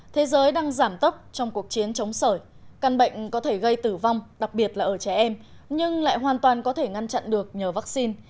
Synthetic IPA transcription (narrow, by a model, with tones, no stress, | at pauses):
t̪ʰe˨˦zəː˨˦jɗaː˧ŋzaː˧˩mt̪ə˦˥p̚t͡ɕɔ˧wŋ͡mku˨˩ək̚t͡ɕi˨˦ənt͡ɕə˨˦wŋ͡msəː˧˩j | ka˧˩nɓə̰˧˨jŋ̟kɔ˨˦t̪ʰe˧˩ɣə˧jt̪ɨ˧˩va˧wŋ͡mɗa˨˩k̚ɓi˨˩ət̚laː˨˩ʔəː˧˩t͡ɕɛ˧˩ʔɛ˧m | ɲɨ˧ŋla̰ː˧˨jɦwaː˨˩nt̪waː˨˩nkɔ˨˦t̪ʰe˧˩ŋa˧nt͡ɕa̰˧˨nɗɨ˨˩ək̚ɲəː˨˩vaː˦˥k̚si˧n